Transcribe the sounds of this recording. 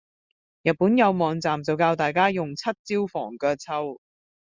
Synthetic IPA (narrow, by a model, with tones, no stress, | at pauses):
jɐ˨t̚puː˨˥njɐ˨˧wmɔː˨˧ŋt͡saː˨mt͡sɐ˨wkaː˧wt̪aː˨jkaː˥jʊ˨ŋt͡sʰɐ˥t̚t͡siː˥wfɔ̰ː˨˩ŋkɛː˧t͡sʰɐ˧w